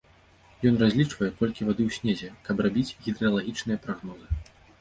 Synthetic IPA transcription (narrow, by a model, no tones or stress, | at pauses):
jɔn̪razʲlʲit͡ʂvɐjɛkɔlʲkʲivad̪ɨwsʲnʲezʲɛkɐbrabʲit͡sʲɣʲid̪ɾɨalˠaɣʲit͡ʂnɨjɐpɾaɣnɔzɨ